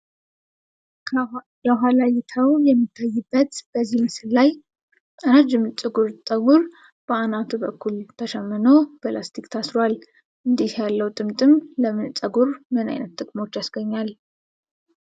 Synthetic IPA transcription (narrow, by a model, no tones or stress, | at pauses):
jəɦalajɪt̪ʰəwjɛmːɨt̪ʰːajːɨbːət̪b̥əzːihmɨsɨllaj | t̪ʼənad͡ʒɨmt͡sʼɨɡuɾt̪ʼəɡuɾ | b̥əanat̪ʰubəkʰːult̪ʰəʃɛmːɨnob̥əlast̪ʰikt̪ʰasɾowal | ʔɨnd̪ihjalːəwt̪ʼɨmt̪ʼɨmləmɨnt͡sʼəɡuɾmɨna̰jnət̪ːɨkʼmo̞t͡ʃːjasɡəɲːal